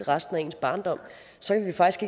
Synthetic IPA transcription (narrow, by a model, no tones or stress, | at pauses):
eʁɑsd̥n̩æe̝̰ːn̩sb̥ɑ̈ːnd̥ɒ̽m̰ | sɒ̽kʰæʋifɑ̈ɡ̥isɡ̥e̝ɡ̥